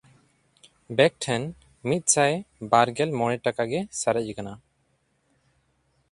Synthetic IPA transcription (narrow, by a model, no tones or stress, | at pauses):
bɛk̚ʈʰɛn | mit̪̚ˀsajbaɾɡɛlmɔɽ̃ɛʈakaɡɛsaɾɛkana